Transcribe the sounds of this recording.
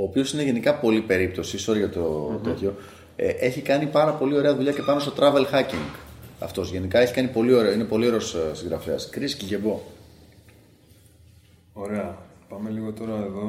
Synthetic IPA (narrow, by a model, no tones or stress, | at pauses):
o̞ːpio̞sine̞ʝe̞nikɐpo̞lipe̞ɾip̚t̪o̞sisoɾɐʝɐt̪ot̪oço̞ | ʔe̞çikɐnipɐɾɐpo̞lio̞ɾe̞ɐðuʎɐcepɐnot̪o̞t̪ɾɐve̞lxɐciŋɡɐ̰ft̪o̞zʝe̞nikɐe̞çi̥kɐnipo̞lio̞ɾeoine̞po̞lio̞ɾe̞ossiŋɡɾɐfeɐskɾisciʝe̞bo̞ | oɾeɐpɐme̞liɣot̪o̞ɾɐeðo̞